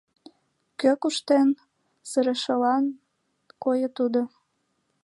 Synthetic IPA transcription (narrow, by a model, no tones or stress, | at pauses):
køkuʃt̪en | səɾə̆ʃə̆lɑn | kojət̪ud̪o